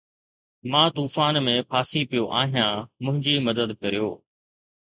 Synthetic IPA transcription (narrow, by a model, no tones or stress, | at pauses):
mãːt̪uːfaːnmẽpʰaːsipijoʔaːɦijãːmʊ̃ɦɪ̃ɲd͡ʑiːmɐd̪əd̪kɐɾijoː